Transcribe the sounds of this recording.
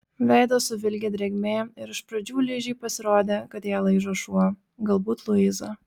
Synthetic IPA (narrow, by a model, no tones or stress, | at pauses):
ʋʲɛɪd̪oːsʊʋʲɪlʲɡʲeːd̪ʲɾʲɛɡʲmʲeːɪɾɪʃpɾɐd͡ʒʲuːlʲɪʒʲiːpɐsʲɪɾoːd̪ʲeːkɐt̪jɛːlˠɐɪʒoʃu | ɡɐlˠbuːt̪lˠʊɪzo